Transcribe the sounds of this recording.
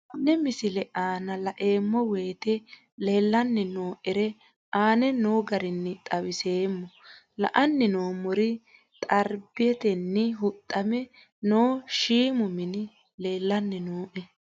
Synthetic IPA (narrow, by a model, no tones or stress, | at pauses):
nːɛmɪsɪlɛʔaːnɐlɐʔeːmːɔwe̞ːt̪ɛ | leːlːɐnːɛnoːʔɛɾɛ | ʔaːnɛnoːɡɐɾɪnːɪt̪ʼɐwɪse̞ːmːɔ | lɐ̰ʔɐnːɪnoːmɔɾɪ | t̪ʼɐɾbɪjɛt̪ɛnːɪɦʊt̪ʼːɐmɛ | noːʃiːmʊmɪnɪ | le̞ːlːɐnːɛnoːʔɛ